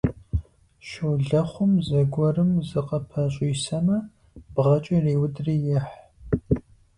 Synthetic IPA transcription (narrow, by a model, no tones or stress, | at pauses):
ʃɨwɮɐχʷʊmzɐɡʷɔrɨmzɨqɐpʰɐɕʼɪjsɐmɐ | bʁɐt͡ʃʼɐreːwʊdriːjɛħ